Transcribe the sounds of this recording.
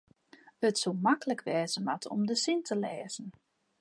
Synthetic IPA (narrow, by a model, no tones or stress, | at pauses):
ətsulˠmakələkʰʋɛːzənʋatʰɔ̰mdəsintʰəlɛːzən̩